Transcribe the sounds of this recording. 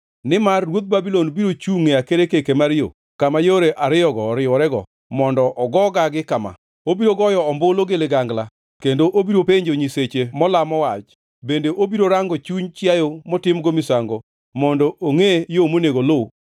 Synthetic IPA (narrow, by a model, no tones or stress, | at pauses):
nɪmarːwot̪̚babilɔnbiɾot͡ʃuŋeakeɾekekemaɾjo̰ | kamajoɾeʔaɾɪjɔɡɔɾɪjɔɾɛɡɔ̰ | mɔndɔʔɔɡɔɡaɡɪkama̰ | obiɾoɡɔjɔɔmbʊloɡɪlɪɡaŋɡla | kendoʔobiɾopeɲd͡ʒoɲiset͡ʃemɔlamɔwat͡ʃ | bendeʔobiɾoɾaŋɡɔt͡ʃuɲt͡ʃjajomɔtɪmɡomɪsaŋɡo | mɔndɔʔoŋejomoneɡolo